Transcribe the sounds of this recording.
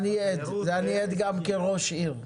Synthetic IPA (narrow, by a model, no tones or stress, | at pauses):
nied̪zeanied̪ɡamkeʁoʃiʁ